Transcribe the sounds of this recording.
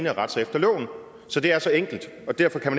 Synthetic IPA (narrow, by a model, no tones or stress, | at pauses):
nəʁɑ̈d̥sɑefd̥ɐlɔ̰ʊn̩ | sɒ̽d̥e̝æɐsɒ̽eŋ̰ɡ̥l̩d̥ | ɒ̽d̥æɐfɒ̽kʰæmæn